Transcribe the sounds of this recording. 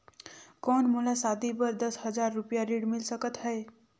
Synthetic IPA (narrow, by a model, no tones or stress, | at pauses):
kɔnmulasad̪ibʌɾd̪ʌsɦʌd͡zaɾːupjaɾiɽmilsʌkət̪ɦʌe